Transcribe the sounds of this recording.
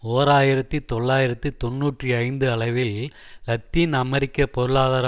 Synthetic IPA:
oːɾaːjɪɾɐt̪ːit̪ɔɭːaːjɪɾɐt̪ːit̪ɔnːuːʈriɐɪnd̪ɯɐɭɐɪʋɪɪlɐt̪ːinɐmɛɾɪkːɐpɔɾɯɭaːðɐɾɐ

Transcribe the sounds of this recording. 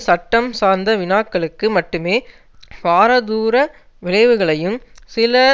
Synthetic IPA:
sɐʈːɐmsaːɾnd̪ɐʋɪnaːkːɐɭɯkːɯmɐʈːɯmeː | paːɾɐðuːɾɐ | ʋɪɭɐɪʋɯɣɐɭɐjɯmsɪlɐ

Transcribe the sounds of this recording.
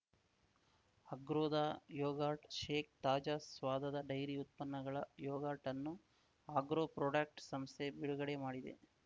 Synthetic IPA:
ɐɡɾoːd̪aːjɔːɡaːʈʃe̞ːkt̪aːd͡ʒaːsʋaːd̪ɐd̪ɐɖɐjɾiut̪̚pɐnːɐɡɐɭɐjɔːɡaːʈɐnːu | aːɡɾoːpɾoːɖak̚ʈsɐmst̪ʰe̞biɽuɡɐɽe̞maːɽid̪e̞̰

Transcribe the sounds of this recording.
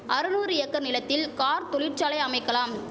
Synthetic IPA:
ʔɐɾɯnuːɾɯɪjɐkːɐɾnɪlɐt̪ːɪlkaːɾt̪ɔɭɪʈt͡ʃaːlɐɪɐmɐɪkːɐlaːm

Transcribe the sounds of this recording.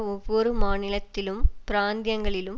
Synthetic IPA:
ɔʋːɔɾɯmaːnɪlɐt̪ːɪlɯmpɪɾaːnd̪jɐŋɡɐɭɪlɯm

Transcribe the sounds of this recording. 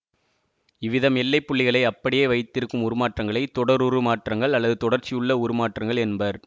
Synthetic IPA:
ɪʋɪðɐmɛlːɐɪpːʊɭːɪɣɐɭɐɪɐpːɐɽɪjeːʋɐɪt̪ːɪɾɯkːɯmʊɾɯmaːʈrɐŋɡɐɭɐɪt̪ɔɽɐɾʊɾɯmaːʈrɐŋɡɐɭɐlːɐðɯt̪ɔɽɐɾt͡ʃijɯɭːɐʊɾɯmaːʈrɐŋɡɐɭɛnbɐɾ

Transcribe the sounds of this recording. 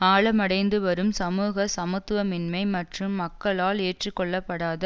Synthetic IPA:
aːɭɐmɐɽɐɪnd̪ɯʋɐɾɯmsɐmuːɣɐsɐmɐt̪ːɯʋɐmɪnmɐɪmɐʈrɯmːɐkːɐɭaːleːʈrikːɔɭːɐpːɐɽaːðɐ

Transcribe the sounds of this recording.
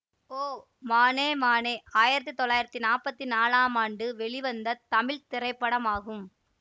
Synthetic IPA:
oː | maːneːmaːneːaːjɪɾɐt̪̬ːit̪ɔɭːaːjɪɾɐt̪ːinaːpːɐt̪ːinaːlaːmaːɳɖɯʋɛɭɪʋɐnd̪ɐt̪ɐmɪɭt̪ɪɾɐɪpːɐɽɐmaːɣɯm

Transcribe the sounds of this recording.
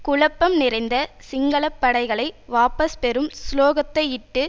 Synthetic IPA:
kʊɭɐpːɐmnɪɾɐɪnd̪ɐsɪŋɡɐɭɐpːɐɽɐɪɣɐɭɐɪʋaːpɐspɛɾɯmsloːɣɐt̪ːɐɪɪʈːɯ

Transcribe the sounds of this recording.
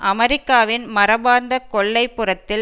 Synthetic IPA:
ʔɐmɐɾɪkːaːʋɪnmɐɾɐbaːɾnd̪ɐkɔɭːɐɪpːɯrɐt̪ːɪl

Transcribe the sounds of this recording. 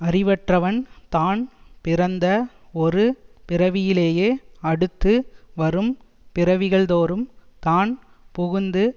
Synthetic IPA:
ɐrɪʋɐʈrɐʋɐnt̪aːnpɪɾɐnd̪ɐ | ɔɾɯpɪɾɐʋɪjɪleːjeːɐɽɯt̪ːɯʋɐɾɯm | pɪɾɐʋɪɣɐɭðoːɾɯmt̪aːn | pɔɣɯnd̪ɯ

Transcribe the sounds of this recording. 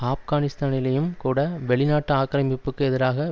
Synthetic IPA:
aːfɣaːnɪst̪aːnɪlɐjɯmkuːɽɐʋɛɭɪnaːʈːɯaːkːɐɾɐmɪpːɯkːɯɛðɪɾaːɣɐ

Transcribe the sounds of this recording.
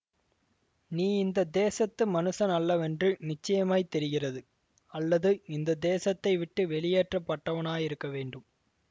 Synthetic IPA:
niːɪnd̪ɐd̪eːsɐt̪ːɯmɐnɯsɐnɐlːɐʋɛndrɯnɪt͡ʃːɐjɐmaːt̪ɛɾɪɣɪrɐðɯ | ɐlːɐðɯɪnd̪ɐd̪eːsɐt̪ːɐɪʋɪʈːɯʋɛɭɪjeːʈrɐpːɐʈːɐʋɐnaːjɪɾɯkːɐʋeːɳɖɯm

